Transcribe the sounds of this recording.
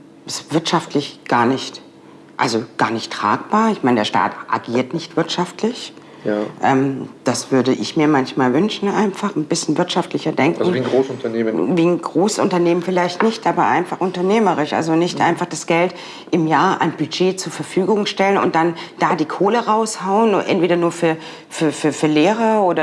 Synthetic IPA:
ʔɪsv̥ɪɐtʃaftʰlɪçɡ̥aːɐnɪçt | ʔalzoɡ̥aːɐnɪçtʁ̥a̰ːk̚b̥aːɐɪçmaɪnədeːɐʃta̰ːtʔa̰ɡiːɐtnɪçtv̥ɪɐtʃaftlɪç | ʔɛːmd̥asv̥ʏɐdəʔɪ̰çmiːɐmançmaːlvʏnʃn̩ʔa̰ɪnfaχn̩bɪsçn̩vɪɐtʃaftlɪçɐdɛŋkŋ̩iosʊntɐnːviːn̩ɡʁoːssʔʊ̰ntɐneːmənfɪlaɪçtnɪçtʔaːbɐʔa̰ɪnfaχʊntɐneːməʁɪʃʔa̰lzonɪçtʔa̰ɪnfaχd̥asɡ̥ɛlt | ʔɪmjaːɐʔa̰ɪnb̥yd͡ʒeːt͡suːɐfɛɐfyːɡʊŋʃtɛlənʊ̰nt̚d̥and̥aːdiːkʰoːləʁaʊshaʊənʊnʔɛ̰ntv̥eːɾɐnuːɐfyːɐ | fyːɐfyːɐfyːɐleːʁəoːdɐ

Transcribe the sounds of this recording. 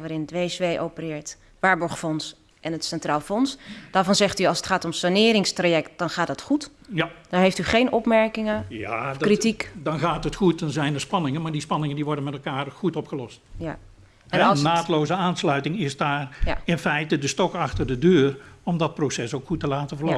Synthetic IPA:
ʋaːɾɪnətʋejsʋejʔowpərɪːɹt | ʋaːɹbɔɹχfɔns | ʔɛnətsɛntraːlˠfɔnsd̥aːɹvɑnzɛχtyɑlˠsətχaːtɔmsanɪːɾɪŋstrajɛkt̚dɑnχaːtdɑtχut | d̥ɔnɦejftyχejnʔɔpmɛɹkɪŋəjakritikdɑnɣaːtətχut̚dɑnzɛjnərspɑnɪŋənmaːɹdispɑnɪŋəndiʋɔɹdənmɛtlˠkaːrχutɔpχəlɔstja | ɛɛnnːaːtlowzəaːnslœɥtɪŋɪzdaːrjaɪnfɛjtədəstɔkɑxtərdədøːrɔmdɑt̚prowsɛsowkxutəlaːtəvəɹlo

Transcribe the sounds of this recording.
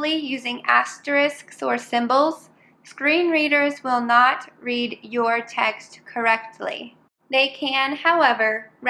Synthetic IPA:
lˠijʉzɪ̃ŋæ̰stə˞ɪsksə˞sɪ̃mbl̩ˠz̥ | skɹĩnɹiɾə˞zwɪlˠnət̚ɹidjə˞tʰɛkstkʰə˞ɛk̚tʰˡlḭ | ðeɪkʰɨ̃nhaʊɛvə˞ɹ

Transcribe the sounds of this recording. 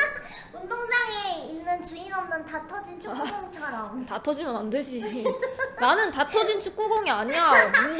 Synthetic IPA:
undoŋd͡ʑaŋeinːɯnt͡ɕuiɾʌmnɯntatʰʌd͡ʑint͡ɕʰukoŋt͡ɕʰaɾʌmtatʰʌd͡ʑimjʌnandwed͡ʑi | nanɯntatʰʌd͡ʑint͡ɕʰu̥k͈̚uɡoŋiaɲiɲa

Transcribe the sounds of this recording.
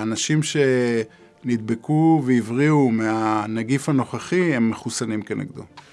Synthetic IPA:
anaʃimʃe̞ | nid̪be̞kuveivʁiumeanaɡifano̞χaχiemːeχusanimkenʔḛɡd̪ṵ

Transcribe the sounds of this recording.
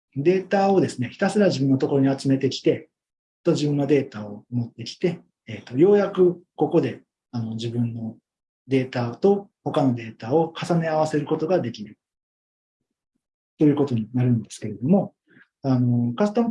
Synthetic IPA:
d̪e̞ːt̪ao̞d̪e̞sɨne̞çi̥t̪asɨɾaʑibɯ̃nːot̪o̞ko̞ɾo̞ɲ̟iat͡sɨme̞t̪e̞kʲi̥t̪e̞ | t̪od͡ʑʑibɯ̟̃nad̪e̞ːt̪ao̞mo̞t̪ːe̞kʲi̥t̪e̞ː | t̪ːo̞jo̞ːjakɯ̟ko̞ko̞d̪e̞ | ano̞d͡ʑibɯ̟̃nːo̞ | d̪e̞ːt̪at̪o̞ho̞kano̞d̪e̞ːt̪ao̞kʰasane̞aβ̞ase̞ɾɯ̟ko̞t̪o̞ɡad̪e̞kʲiɾɯ̟ | t̪o̞jɯ̟ːko̞t̪o̞ɲ̟inaɾɯ̟̃nd̪e̞sɨ̥ke̞ɾe̞d̪o̞mo̞ | ano̞kast̪a

